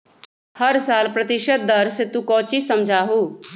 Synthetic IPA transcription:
həɾsaːlpɾət̪ɪʃət̪̚d̪əɾset̪ukɔːt͡ʃiːsəmd͡ʒʱaːɦuː

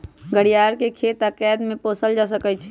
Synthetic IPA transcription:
ɡəɽijaːɾkekʰeːt̪akɛːd̪mẽpoːsəld͡ʒas̬əkət͡ʃʰ

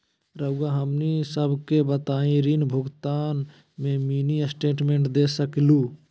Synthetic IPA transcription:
ɾəʊɡaɦəmnisəbʱkebət̪aːĩɾiːnbʱʊɡt̪aːn | mẽmiːnisʈeːʈmẽːɳʈd̪eːsəkluː

